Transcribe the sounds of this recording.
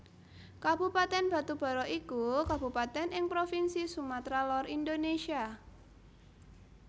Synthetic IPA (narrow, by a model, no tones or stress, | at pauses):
kabupat̪ɛnb̥a̤t̪ub̥a̤ɾɔʔikukabupat̪ɛnɪŋpɾofinsisumat̪ɾalɔrindonesia